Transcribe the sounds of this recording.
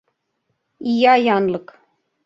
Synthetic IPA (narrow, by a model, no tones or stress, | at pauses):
ijɑjɑnlˠɤk